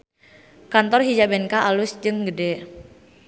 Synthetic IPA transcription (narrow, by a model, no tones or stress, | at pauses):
kant̪ɔrɦid͡ʒabɛnkaʔalʊsd͡ʒɨŋɡədɛ